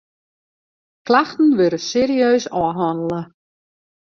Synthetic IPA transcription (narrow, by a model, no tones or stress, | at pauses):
klaxtən̩ʋøɾəseːɾiøːsɔːɦɔnələ